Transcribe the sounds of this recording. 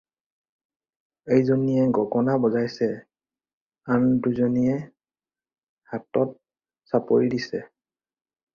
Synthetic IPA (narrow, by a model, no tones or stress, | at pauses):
ejzonijɛɡɔɡɔnabɔzajsɛ | anduzonijɛ | hatɔt̚ | sapoɹidisɛ